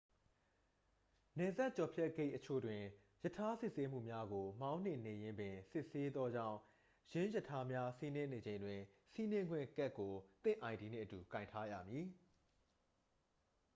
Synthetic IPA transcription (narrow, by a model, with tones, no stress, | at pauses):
nɛ˨za˦ʔt͡ɕɔ˨pʰjɛ˦ʔke˦ɪʔət͡ɕʰo̰˦˨dwɪ̃˨ | jə˨tʰa˦sɪ˦ʔse˦m̥ṵ˦˨mja˦ɡo˨mã˦ʊ̃n̥ɪ̰̃˦˨ne˨jɪ̃˦mbɪ̃˨sɪ˦˨ʔse˦d̪ðɔ˦d͡ʑã̰˦˨ʊ̃ | jɪ̃˦jə˦˨tʰa˦mja˦si˦nɪ̃˦ne˨d͡ʑẽ˨ɪ̃ndwɪ̃˨ | si˦nɪ̃˦ŋɡwɪ̰̃˦˨kɛ˦ʔkːo˨t̪ɪ̰̃˦˨ʔã˨ɪ̃nti˨nḛ̃˦˨ʔətu˨kã˨ɪ̃ntʰa˦jä̰˦˨mji˨